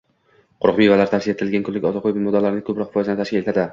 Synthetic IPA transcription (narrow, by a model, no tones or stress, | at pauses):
qʰʊɾqmivalaɾt̪ʰasiet̪ɪɪlɡʲankʰʊlːɪkʲɒt̪ʰaqʰojbɪmod̪alːaɾɪnɪŋkʰɵpɾɒqfɒjzanɪt̪aʃkʲɪlet̪ʰad̪ɪ